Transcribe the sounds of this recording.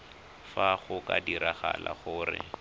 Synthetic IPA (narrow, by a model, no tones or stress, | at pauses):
faχʊkadiɾaχalʔaχʊːrɪ